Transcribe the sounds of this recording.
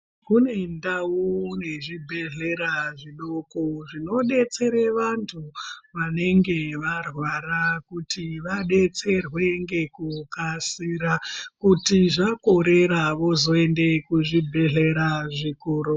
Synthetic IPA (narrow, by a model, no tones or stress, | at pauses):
kune̞ndawune̞ʐibʱe̞ɮe̞ɾaʐiɗokoʐino̞ɗe̞t͡se̞ɾeʋantʰuʋane̞ŋɡe̞ʋarwarakutʰiʋaɗe̞t͡se̞rwe̞ŋɡe̞kukasiɾakutiʐako̞ɾe̞ɾaʋo̞zo̞e̞nde̞kuʐibʱe̞ɮe̞ɾaʐikuːɾu